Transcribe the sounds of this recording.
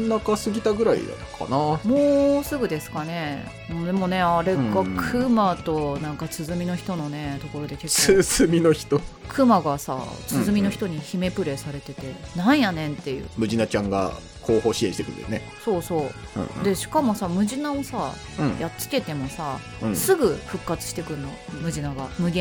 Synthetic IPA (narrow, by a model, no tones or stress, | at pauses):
nakasɨɡʲit̪aɡɯ̟ɾaḭd̪a̰kʰa̰namoːsɨɡɯ̟d̪e̞sɨ̥kane̞ | md̪emo̞ne̞aɾe̞ɡakʰɯ̟mat̪o̞nãŋkat͡sɨzɨmʲino̞çi̥t̪o̞no̞ne̞t̪o̞ko̞ɾo̞d̪e̞keɨz̥ɨmʲino̞çi̥t̪o | kʰɯ̟maɡasa̰t͡sɨzɨmʲino̞çi̥t̪o̞ɲ̟içime̞pɯ̟ɾe̞saɾe̞t̪e̞t̪e̞nãɰ̃janẽnt̪ːe̞jɯ̟̰ːmɯ̟ʑinat͡ɕãŋɡa̰ | kʰo̞ːho̞ːɕiẽɕit̪ekɯn̰d̪ḛjne | so̞ːsõ̞̰ː | d̪e̞ɕi̥kamo̞samɯ̟ʑinao̞sã | jat͡sɨ̥t̪ʲe̞t̪e̞mo̞sa | sɨɡɯ̟ɸɯ̟kːat͡sɨ̥ɕi̥t̪e̞kɯɯnːo̞mɯ̟ʑinaɡa̰mɯ̟ɡẽ